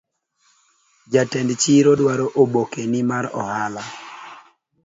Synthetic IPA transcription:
d͡ʒatɛndt͡ʃiɾodwaɾoʔobokenɪmaɾɔ̰hala

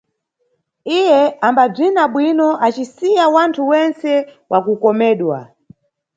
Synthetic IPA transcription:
ijɛambab͡ʐinaɓwinɔʔat͡ʃisijawantʰuwɛnt͡sɛwʔakukɔmɛːɗwa̰

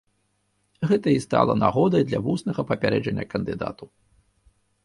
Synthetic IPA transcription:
ɣɛt̪ɐist̪a̰lˠɐ̰naɣɔd̪ɐjd̪lʲɐvusnɐɣɐpɐpʲaɾɛd͡ʐɐnʲːɐkɐnd̪ɨd̪a̰t̪u

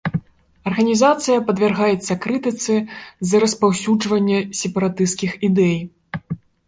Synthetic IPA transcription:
ɐrɣɐnʲizat̪sɨjɐpɐd̪vʲarɣajɛt̪sːɐkɾɨt̪ɨt̪sɨzɐɾɐspawsʲud͡ʐvɐnʲːɛsʲɛpɐɾat̪ɨst̪kʲixid̪ɛj

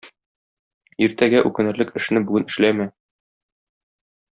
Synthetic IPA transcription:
iɾt̪æɡæʔʉkɘ̆nɘ̆ɾlɘkɘ̆ʃnɘbʉɡɘnɘ̆ʃlæmæ

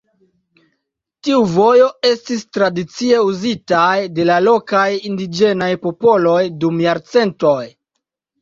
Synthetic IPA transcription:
tiuvo̞jo̞e̞stistɾadit͡sie̞uzitajde̞lalo̞kajindid͡ʒe̞najpo̞po̞lo̞jdumjaɾt͡se̞nto̞j

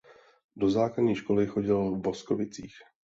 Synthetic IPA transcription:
do̞zaːkadɲiːʃko̞lɪxo̞ɟɪlvbo̞sko̞vɪt͡siːx

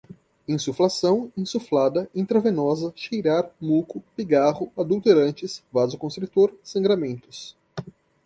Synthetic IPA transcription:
ẽsuflasɐ̃w̃ẽsuflad̪ɐĩt̪ɾɐvenɔzɐʃejɾaɾmukʊpiɡaʁʊad̪uwt̪eɾɐ̃nt͡ʃɪsvazʊkõst̪ɾut̪oɾsɐ̃ŋɡɾamẽnt̪ʊs

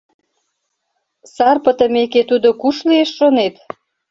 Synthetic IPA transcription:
sɑrpət̪ə̆meket̪ud̪okuʃlieʃʃonet̪

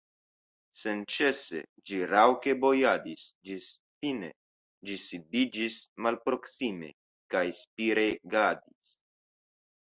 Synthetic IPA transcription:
se̞nt͡ʃe̞se̞̰d͡ʒiɾawke̞bo̞jadisd͡ʒis | fine̞̰ | d͡ʒisidid͡ʒismalpɾo̞ksime̞̰ | kajspiɾe̞ɡadis

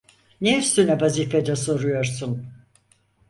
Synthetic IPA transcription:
neyst̪ynɛvazifed̪ɛso̞ɾujo̞ɾsun

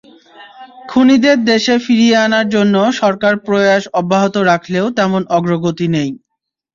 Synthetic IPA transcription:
kʰunid̪eɾd̪eʃefiɾijeanaɾd͡ʑonːoʃɔɾkaɾpɾoaʃɔbːaɦot̪oɾakʰleot̪ɛmonɔɡɾoɡot̪inej

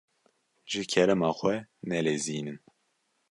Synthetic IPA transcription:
ʒɨkʰɛɾɛmɑːxʷɛnɛleːziːnɨn

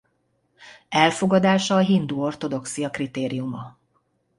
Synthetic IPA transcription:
ɛlfo̞ɡɒd̪aːʃɒːɦind̪uːo̞rt̪o̞d̪o̞ksijɒkrit̪eːɾijumɒ

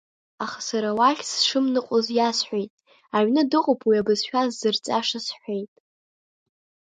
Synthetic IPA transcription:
aχḁsaɾawaχʲsʂɨmnɨqʼozjasħʷejtʼ | aʕnɨdɨqʼopʰwiabɨzʃᶣazːɨrt͡sʼaʂasħʷejtʼ

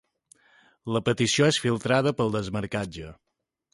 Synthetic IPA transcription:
ləpət̪isioesfilˠt̪ɾað̞əpəlˠd̪əzməɾkad͡ʒə

